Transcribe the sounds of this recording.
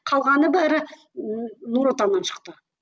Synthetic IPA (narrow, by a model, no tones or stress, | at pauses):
qʰɑlˠʁɑnəbæɾɪ | nuɾot̪ɑnːɑnʃə̥qt̪ə